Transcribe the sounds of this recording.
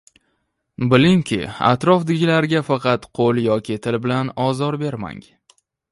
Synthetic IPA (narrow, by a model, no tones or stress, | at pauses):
bɪlɪŋkʲʰɪ̰a̰t̪ɾɒfd̪ɪɡʲɪlaɾɡʲafɑqʰɑt̪qʰolˠjɒkʲʰɪt̪ʰɪlbɪlanɒzɒɾbe̞ɾma̰ŋ